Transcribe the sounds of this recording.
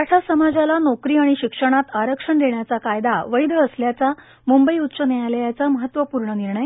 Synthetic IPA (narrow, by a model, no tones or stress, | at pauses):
aʈʰasəmad͡zalanɔkɾiːaɽ̃iɕikʂəɽ̃at̪aɾəkʂəɳd̪eɳjat͡sakajd̪aʋəid̪ʱəəsljat͡sa | mumbəiut̪ːsənejajlejat͡saməɦət̪ːʋəpuɾɳəniɾɳəj